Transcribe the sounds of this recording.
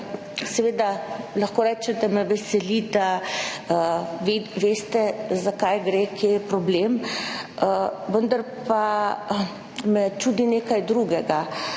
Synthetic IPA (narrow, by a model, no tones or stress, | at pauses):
sɛʋeːd̪alaxkoːɾɛːt͡ʃɛd̪amɛʋɛsɛlid̪a | ʋeʋest̪ɛzakajɡɾekjepɾɔblem | ʋənd̪ɐɾpa | mɛt͡ʃuːd̪ineːkajd̪ɾuɡɛɡa